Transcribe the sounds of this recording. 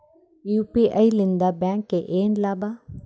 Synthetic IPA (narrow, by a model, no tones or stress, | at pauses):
juːpiʔailɪ̃nd̪abɛ̃ːŋkːeʔeːnlaːba